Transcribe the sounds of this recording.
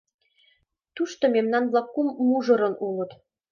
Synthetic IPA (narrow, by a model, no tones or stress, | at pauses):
t̪uʃt̪omemnɑnβlɑkːumːuʒɤ̆ɾɤ̆nulɤ̆t̪